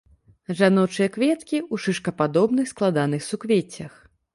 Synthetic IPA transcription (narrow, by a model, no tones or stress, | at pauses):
ʐanɔt͡ʂɨjɐkvʲɛt̪kʲiuʂɨʂkɐpad̪ɔbnɨxsklˠad̪an̪ɨxsukvʲet͡sʲːɐx